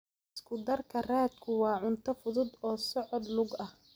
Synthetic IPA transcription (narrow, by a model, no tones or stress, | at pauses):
ɪskʰʊd̪ɐrkʰɐraːd̪kʰʊwɑːʕʊnt̪ʰɐfʊðʊd̪ɔːsɔʕɔd̪lʊɡɐh